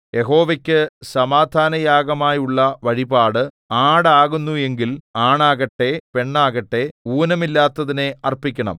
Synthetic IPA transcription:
je̞ɦo̞ːʋekʲːɨsɐmaːd̪ʱaːnɐjaːɡɐmaːjuɭːɐʋɐɻibaːɽɨ | aːɽaːɣunːue̞ŋɡilaːɳaːɣɐʈːe̞pe̞ɳːaːɣɐʈːe̞uːnɐmilːaːt̪ːɐðine̞ɐrpikʲːɐɳɐ̰m

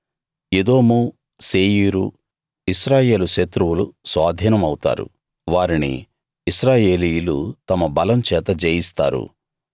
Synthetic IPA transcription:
ed̪o̞ːmu | seːjiɾu | iʃɾaːje̞ːluʃet̪ɾuwulusʋaːd̪ʱiːnɐmɐwt̪a̰ːɾṵ | ʋaːɾinḭː | ʃɾaːje̞ːlijulut̪ɐmɐbɐlɐmt͡ʃɛːt̪ɐd͡ʒeːjist̪a̰ːɾṵ

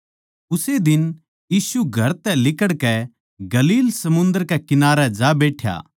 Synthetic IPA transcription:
ʊsed̪ɪn | jiːsuɡʱɐɾt̪ɛlɪkəɽkɛ | ɡɐliːlsɐmʊ̃nd̪əɾkɛkɪnaːɾɛd͡ʒabeːʈʰja̰ː

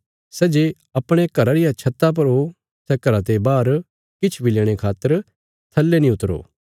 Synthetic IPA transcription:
sɛːd͡ʒeː | ɐpɽ̃ekɐɾaɾɪjat͡ʃʰɐt̪ːap̬ɐɾo | sɛːkɐɾãt̪ebaːɾ | kɪt͡ʃʰbʱileːɽ̃ekʰaːt̪ːəɾ | t̪ʰɐlːenĩʊt̪ːɾo̰ː

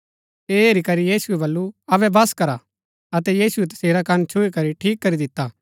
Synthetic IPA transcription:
eːeːɾikɐɾijiːsuɛbɐlːuɐbɛbɐskɐɾa | ɐt̪ɛjiːsuɛt̪ɐ̥seːɾakɐnt͡ʃʰʊikɐɾiʈʰiːkːɐɾid̪ɪt̪ːaː

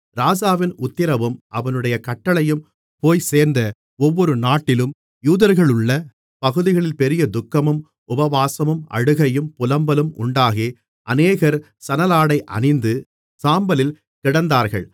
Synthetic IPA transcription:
ɾaːd͡ʒaːʋɪnʊt̪ːɪɾɐʋɯmʔɐʋɐnɯɽɐjɐkɐʈːɐɭɐjɯm | poːjseːɾnd̪ɐ | ɔʋːɔɾɯnaːʈːɪlɯm | juːðɐɾɣɐɭɯɭːɐ | pɐɣɯðɪɣɐɭɪlpɛɾɪjɐd̪ʊkːɐmɯm | ʊbɐʋaːsɐmɯmɐ̰ɻɯɣɐjɯmpʊlɐmbɐlɯmʔʊ̰ɳɖaːɣeː | ʔɐ̰neːɣɐɾ | sɐnɐlaːɽɐɪʔɐ̰nɪnd̪ɯ | saːmbɐlɪl | kɪɽɐnd̪aːɾɣɐɭ

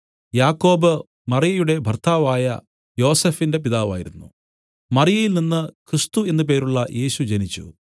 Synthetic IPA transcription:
jaːkːo̞ːbɨ | mɐrijɐjuɽe̞bʱɐrt̪ʰaːʋaːjɐ̰ | jo̞ːse̞ːfinde̞p̬iðaːʋa̰ːjiɾunːṵ | mɐrijɐjilninːɨkrist̪ue̞nːupe̞ːɾuɭːɐjʔe̞ːɕud͡ʑenit͡ɕːṵ

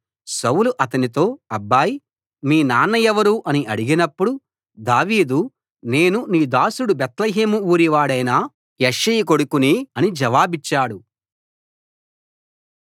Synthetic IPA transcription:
sɐwluʔɐt̪ɐnit̪o̞ːɐbːaːji | miːnaːnːɐjɛʋɐɾuʔɐniʔɐɽiɡinɐpːuɽu | d̪aːʋiːd̪u | ne̞ːnuniːd̪aːsuɽubɛt̪lɐɦeːmuuːɾiʋaːɽɐjnaː | jɐʂijiko̞ɽukuniːɐnid͡ʒɐʋaːbit͡ʃːaːɽu

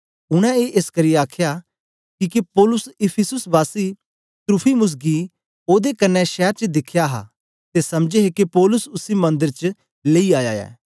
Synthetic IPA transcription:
ʊɽ̃ɛ̃eːʔeskɐɾijaːkʰja | kikepɔːlʊsɪpʰɪsʊsbaːsi | t̪ɾʊpʰimʊs̬ɡi | oːd̪ekɐnːɛʃɛːɾt͡ʃəd̪ɪkʰːjaɦa̰ː | t̪esɐmd͡ʒeɦekipɔːlʊsʊsimɐ̃nd̪əɾt͡ʃ | leiaːja̰ːɛ̰ː

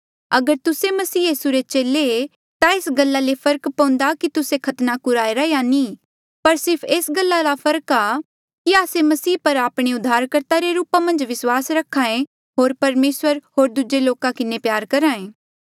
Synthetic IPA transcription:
ɐɡəɾt̪ʊsemɐsiːjiːsuɾet͡ʃeːlee | t̪aeːsɡəlːalepʰɐɾəkpɐ̃ːʊ̃nd̪akit̪ʊsekʰɐt̪nakʊɾaːeɾɐejanĩː | pɐɾsɪɾpʰeːsɡəlːalapʰɐɾəka | kiaːsemɐsiːpɐɾaːpɽ̃eʊd̪ʱːaːɾkəɾt̪aɾeɾuːpamɐ̃nd͡ʒʋɪswaːsɾɐkʰaːẽ | ɦoːɾpɐɾmeːswəɾɦoːɾd̪ʊd͡ʒeloːkakɪnepjaːɾkɐɾaːẽː

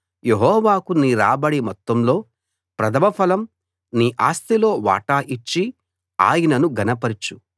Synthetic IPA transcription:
jeɦɔːʋaːkuniːɾa̰ːbɐɽimɔt̪ːɐmlo̞ː | pɾɐd̪ʱɐmɐpʰɐlɐm | niːʔaːst̪ilo̞ːʋa̰ːʈaːʔit͡ʃːi | a̰ːjɐnɐnuɡɐnɐpɐɾt͡ʃu

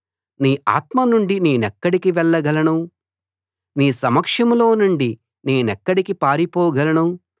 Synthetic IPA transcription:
niːʔa̰ːt̪mɐnuɳɖine̞ːnɛkːɐɽikiʋɛɭːɐɡɐlɐɳu | niːsɐmɐkʂɐmlo̞ːnuɳɖi | ne̞ːnɛkːɐɽikipaːɾipɔːɡɐlɐɳu

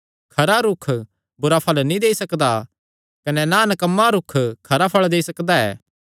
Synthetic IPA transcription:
kʰɐɾaɾʊkʰ | bʊɾapʰɐlnĩd̪eːisɐkd̪a | kɐnɛnanɐkɐmːaɾʊkʰkʰɐɾapʰɐɭd̪eːisɐkd̪aɛ̰ː

